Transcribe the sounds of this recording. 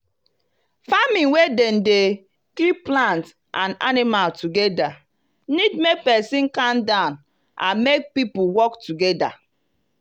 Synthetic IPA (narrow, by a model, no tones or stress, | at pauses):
famĩnweden̩de | kliplãnt | ʔãna̰nimaltuɡeda | nidmek̚pɛsĩnkãndãʊn | ʔa̰nmek̚pipuwɔktuɡeda̰